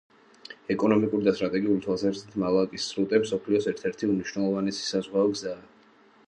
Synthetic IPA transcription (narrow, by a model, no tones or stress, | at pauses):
ɛkʼɔnɔmikʼuɾid̪ast̪ʼɾat̪ʼɛɡiulit̪ʰwalˠsaɾsit̪ʰmalˠakʼisːɾut̪ʼɛmsɔpʰliɔsɛɾt̪ʰɛɾt̪ʰiumniʃwnɛlˠɔvanisi̥sazʁwaɔɡzaː